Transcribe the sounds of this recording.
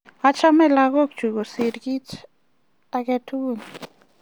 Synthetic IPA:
a˦t͡ʃa˦me˦la˧ɣo˦kt͡ʃu˨ɡo˨si˨ɾɡi˦t͡ʃ | aɡe˧t̪ʰu˦u˦n

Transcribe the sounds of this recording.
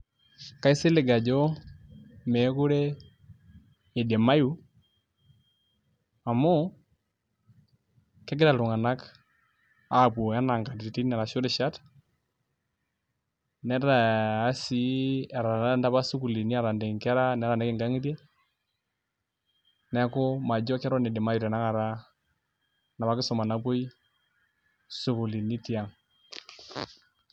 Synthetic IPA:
ka˦i˦sɪ˦lɪ˨ɡa˨d͡ʒɔ˦ | mɛ˨˦kʊ˦ɾɛ˦ | e˨dɛ˨ma˦ju˦ | a˨mɔ˦ | kɛ˦ɡɪ˦ɾa˨lʊ˨ŋa˨na˦k | a˦˨bo˨a˦na˨ŋɡa˨di˨i˨ti˦nɛ˨ɾa˨ʃʊ˦ɾɪ˨ʃa˦t | nɛ˦ɾa˨a˦si˦ɛ˨ɾa˨na˦nda˦ba˦su˦ku˨li˨ni˦a˨ɾa˨ndɛ˨ŋkɛ˦ɾa˦nɛ˨˦ɾa˨nɛ˦kɪ˨ŋɡa˦ŋi˦ti˦ | nɛ˨˦kʊ˦ma˨d͡ʒɔ˦ka˦ɾɔ˦nɪ˨dɪ˨ma˦ju˨ɾɛ˨na˦ŋa˨ɾa˦ | na˨ba˦kɪ˦sɔ˨ma˨na˦bo˦j | su˨ku˨li˨ni˦ti˨a˨ŋ

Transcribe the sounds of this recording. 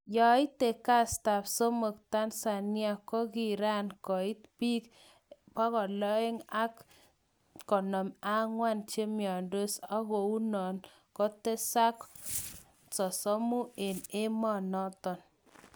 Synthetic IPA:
jɔ˨ɪ˦te˨ka˦˨sta˨pso˦mo˨k̚ta˦nsa˨nja˨kɔ˦ki˨ɾa˦nkɔ˨ɪ˦tpi˦k | pa˦kɔ˨lɔ˦ɪ˦ŋa˦k | kɔ˨nɔ˨ma˦ŋwa˦nt͡ʃe˦mjɔ˨ndo˦sɔ˦ɣo˨u˦nɔ˨n | kɔ˦te˦sa˦k | sɔ˨sɔ˦mu˦e˨ne˦mɔ˦nɔ˦tɔ˨n

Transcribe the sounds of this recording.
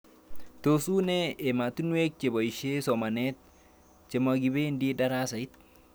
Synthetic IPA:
t̪o˨su˦ne˦e˨ma˨t̪u˦nwe˦k̚t͡ʃe˨bo˨i˨ʃe˦so˨ma˨ne˦t̪̚ | t͡ʃe˨ma˨ɡi˨be˦ndi˦da˦ɾa˦sa˨i˦t̪̚

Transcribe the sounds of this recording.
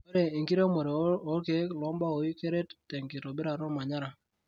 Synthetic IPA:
o˦ɾe˨i˨ŋki˦ɾe˦mo˨ɾe˨o˦ke˦klɔ˦mba˦o˨i˦ke˦ɾe˦ttːɛ˨ŋke˨to˨bɪ˦ɾa˨ɾɔ˦ma˨ɲa˦ɾa˨

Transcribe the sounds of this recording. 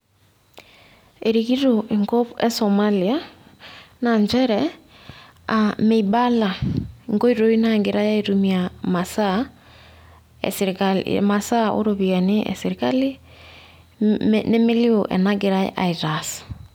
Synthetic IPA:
e˨ɾiɣi˦ɾoʔe˨ŋɡɔ˦pɛ˦sɔma˦lia˦ | na˨ɲd͡ʒɛ˦ɾɛ | ame˨ba˦la˨ŋɡo˦i˦ɾo˦i˦na˦ŋɡɪ˨ɾa˦ja˦iɾu˦mi˨ama˨sa | ɛ̰skal̰ma˨sa˦ʔo̰˦ɾoβia˨nɪ˦ʔɛ̰˨seɾi˨ka˦li˦ | ne˦mɪ˦li˦oʔɛ̰na˦ɡɪ˨ɾa˦j̰ʔa˨i˨ɾas

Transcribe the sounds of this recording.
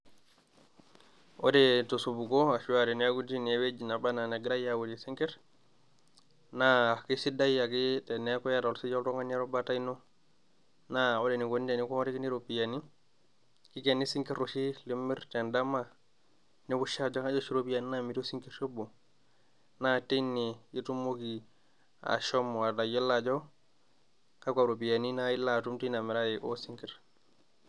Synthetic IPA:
o̰detosubu˨koa˨ʃuwaɾi˨naɡudi˦newed͡ʒi˨na˨banane˨ɡɾajawodisiŋke˦t | naaki˦sidajakite˨neko˦jaɾo˨lsi˦d͡ʒolto˦ŋa˦ne˦ɾobata˦ino | naode˨ni˨ɡonide˨ni˦ko˦ma˦ɾi˦ki˦ni˦ɾopijani | ki˦ke˨nːi˦si˦ŋki˦ɾo˨ʃi˦li˦mːi˦ɾte˨nda˦ma˨ | ni˦ku˦ʃa˦d͡ʒo˦ka˦d͡ʒo˦ʃi˦ɾo˦pi˦ja˨ni˦na˦mi˨to˦si˦ŋki˦ɾʃo˦bo˨ | na˦ti˦nːii˦tu˦mːo˦ki˨ | a̰˨ʃo˦m˨wa˨da˨ji˦lːad͡ʒo˦ | ka˦ka˨ɾo˨pi˨ja˨ni˦naji˦lːa˨tu˦mti˦na˨mi˨ɾa˦ji˨ʔo˦si˦ŋki˨ɾ

